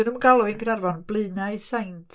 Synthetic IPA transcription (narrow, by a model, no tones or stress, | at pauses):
ənumɡalˠuinɡrarvanblˠɨːnaɨsajntʰ